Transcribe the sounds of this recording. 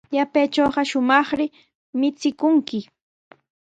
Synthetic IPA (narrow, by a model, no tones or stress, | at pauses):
ʎapeːt͡ʃoːɢɑʃʊmɑχɾɪ | mɪt͡sɪkʊŋkɪ